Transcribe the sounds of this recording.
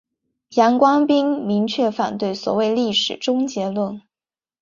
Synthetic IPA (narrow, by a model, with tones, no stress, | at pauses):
jɑ˧˥ŋkwɑ˥ŋpi˥ŋmi˧˥ŋt͡ɕʰɥɛ˥˩fa̰˨˩nt̪we˥˩ɪswɔ̰˨˩we˥˧ɪli˥˩ʂɻ̩˨˩ʈ͡ʂʊ˥ŋt͡ɕjɛ˧˥lwə˥˩n